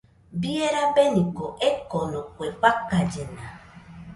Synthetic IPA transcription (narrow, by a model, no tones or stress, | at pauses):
bieɾabenikoʔekɔnokʷek͡pakad͡ʒena